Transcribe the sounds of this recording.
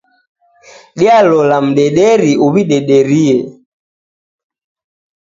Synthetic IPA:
ɗialɔlam̩ɗɛɗɛɾiuβiɗɛɗɛɾiɛ

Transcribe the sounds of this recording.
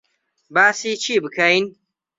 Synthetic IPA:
baːsiːt͡ʃʰiːbɨkʰɐjn

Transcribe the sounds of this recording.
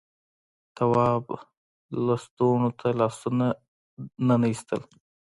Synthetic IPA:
t̪awɑb | last̪oɳot̪ʰalɑsuna | nanaist̪əl

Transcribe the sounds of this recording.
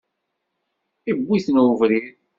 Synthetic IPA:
ibʷːiθnvɾi

